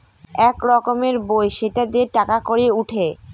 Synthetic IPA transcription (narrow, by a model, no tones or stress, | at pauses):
ɛkɾɔkomeɾbojʃeʈad̪eeʈakakoɾeuʈʰe